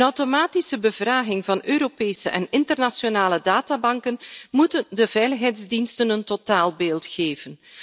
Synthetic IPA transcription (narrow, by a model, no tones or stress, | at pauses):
ənɔwtomaːtisəbəvraːɣɪŋvɑnøːɾopeːsəʔɛnɪntərnasjonaːlədaːtaːbɑŋkənmutəndəvɛjləxɦɛjdzdinstənəntotaːlˠbeːlˠtxeːvən